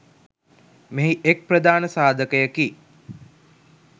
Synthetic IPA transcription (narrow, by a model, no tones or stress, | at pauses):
meɦiʔek̚prəd̪aːnəsaːd̪ʱəkəjəki